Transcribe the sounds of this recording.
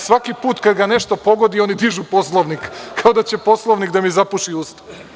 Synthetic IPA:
sʋakipuːt̪kad̪ɡane̞ʃt̪opo̞ɡo̞d̪io̞nid̪iʒupo̞s̬lˠoʋnikkʰːao̞d̪at͡ɕepo̞slˠoʋnikd̪amizapuʃiuːst̪a

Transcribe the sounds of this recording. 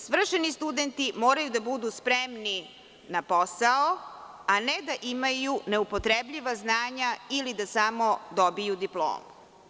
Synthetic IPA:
sʋr̩ʃenist̪ud̪ent̪imoːɾajud̪abud̪uspɾemni | naposao | aned̪aʔimajune̞upot̪ɾebʎiʋaznaːɲailid̪asamo̞d̪obijud̪iplˠo̰ːmu

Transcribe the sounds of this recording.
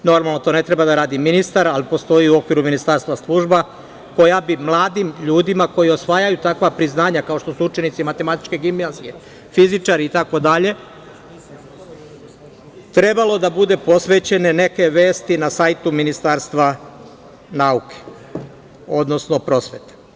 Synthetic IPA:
no̞ɾmalˠno̞t̪o̞ne̞t̪ɾebad̪aɾaːd̪iminist̪aɾalipo̞st̪o̞iuo̞kʋiɾuminist̪aɾst̪ʋaslˠuʒba | ko̞jabimlˠaːd̪imʎuːd̪imako̞jio̞sʋaːjajut̪akʋapɾiznaːɲakao̞ʃt̪o̞suut͡ʃe̞nit̪simat̪e̞mat̪i̥t͡ʃke̞ɡimiazie̞ | fizit͡ʃaɾiːt̪ako̞d̪aʎe̞ | t̪ɾe̞balo̞d̪abud̪e̞po̞sʋe̞t͡ɕe̞ne̞ne̞ke̞ʋe̞ːst̪inasaːjt̪uminist̪aːɾst̪ʋa | nauke̥ | o̞d̪no̞sno̞pɾo̞sʋe̞t̪e̥

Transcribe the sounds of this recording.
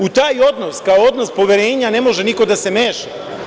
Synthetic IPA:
ut̪aːjo̞d̪noskaoo̞d̪no̞spo̞ʋeɾeːɲanemo̞ʒeniko̞d̪ase̞meːʃa

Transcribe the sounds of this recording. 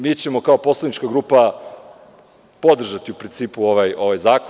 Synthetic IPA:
miːt͡ɕe̞mo̞kao̞po̞slˠad̪nit͡ʃkaɡɾuːpa | po̞d̪r̩ʒat̪iupɾint̪siːpuo̞ʋajo̞ʋajzaːko

